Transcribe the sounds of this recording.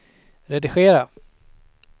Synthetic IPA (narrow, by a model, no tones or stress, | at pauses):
ɾɛd̪ɪɧeːɾa